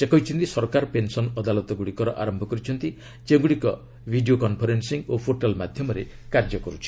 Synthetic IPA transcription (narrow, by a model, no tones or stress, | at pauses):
sekɔɦit͡ʃʰɔnt̪isɔɾkaɾɔpensɔnɔd̪alɔt̪ɔɡuɽikɔɾɔʔa̰ɾɔmbʱɔkɔɾit͡ʃʰɔnt̪i | d͡ʒeɡuɽikɔ | bʱiɖiokɔnpʰɔɾensiŋopʰoʈalmad̪ʱjɔmɔɾe | kaɾd͡ʒɔkɔɾut͡ʃʰi̥